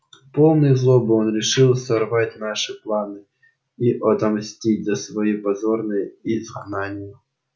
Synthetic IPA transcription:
po̞lˠnɨjzlˠobɨonɾʲɪʂɨlˠsɐrvatʲnaʂɨplˠanɨ | iʔɐt̪ɐmsʲtʲid̚ʲzʲɐsvɐjipɐzornɨjəizɡnanʲɪjə

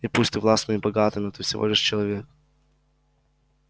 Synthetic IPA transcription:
ɪpusʲt̪ɨvlˠast̪mɨibɐɡat̪ɨmʲɪt̪ɨfsʲɪvo̞̰lʲɪʂt͡ɕɪlˠɐvʲek̚

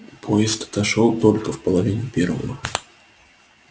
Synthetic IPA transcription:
pʰojɪst̪t̪ɐʂolˠt̪olʲkəfpəlˠɐvʲinʲʊpʲervə̰və̰

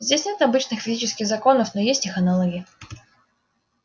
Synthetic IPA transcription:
zʲdʲesʲnʲe̞t̪ɐbɨt͡ɕnɨxfʲɪzʲit͡ɕɪskʲɪxzɐko̞nəfno̞jesʲtʲixɐnalˠoɡʲɪ

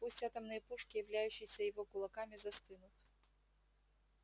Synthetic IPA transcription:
pusʲtʲat̪ɐmnɨjɐpuʂkʲijɐvlʲajʉɕːɪjsʲɐjɪvɔkʊlˠɐkamʲizɐst̪ɨnʊt̪

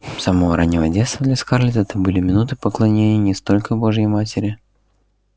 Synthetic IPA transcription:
sɐmovəɾanʲːɪvədʲet̪st̪vəd̪lʲɐskaɾlʲɪt̪ɛt̪əbɨlʲɪmʲɪnut̪ɨpəklˠɐnʲenʲɪjənʲɪst̪o̞lʲkəbo̞ʐjəjmatʲɪɾʲɪ

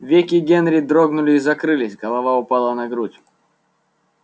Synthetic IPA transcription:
vʲekʲɪɡʲenɾʲɪd̪ɾoɡnʊlʲɪːzɐkɾɨlʲɪsʲɡɐlˠɐvaʊpalˠənɐɡɾutʲ

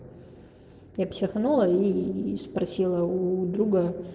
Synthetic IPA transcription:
japsʲɪxnulˠəispɾɐsʲilˠəud̪ɾuɡə

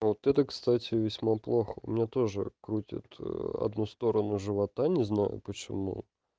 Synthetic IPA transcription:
vot̪ɛt̪əkst̪atʲɪvʲɪsʲmaplˠo̞xəʊ̰mʲɪnʲat̪o̞ʐɨ̰kɾutʲɪ̰t̪ɐ̰d̪nust̪o̞ɾənʊʐɨvɐt̪anʲɪznajʊ̰pət͡ɕɪmṵ

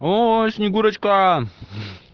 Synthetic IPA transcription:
osniɡuɾɐt͡ʃka

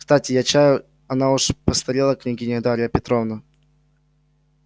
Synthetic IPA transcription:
kst̪atʲɪjat͡ɕajʊ | ɐnauʂpəst̪ɐɾʲilˠəknʲɪɡʲinʲɪd̪aɾʲɪjəpʲɪt̪ɾovnə

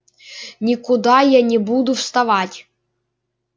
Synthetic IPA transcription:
nʲikʊd̪ajanʲɛbud̪ʊfst̪ɐvatʲ

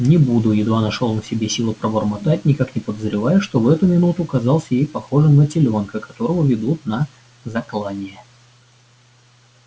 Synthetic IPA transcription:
nʲɪbud̪ʊjɪd̪vanɐʂolˠnfsʲɪbʲesʲilˠəpɾəbərmɐt̪atʲnʲɪkaknʲɪpəd̪əzɾʲɪvajʊʂt̪o̞vɛt̪ʊmʲɪnut̪ʊkɐzɑlˠsʲəjejpɐxo̞ʐɨmnətʲɪlʲo̞nkəkɐt̪o̞ɾəvəvʲɪd̪ut̪nə | zɐklˠanʲɪjə

